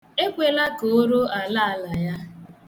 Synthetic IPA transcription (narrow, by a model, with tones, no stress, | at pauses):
e˦kʷe˨la˦ko˨o˦ɾo˦a˨la˦a˦la˨ja˦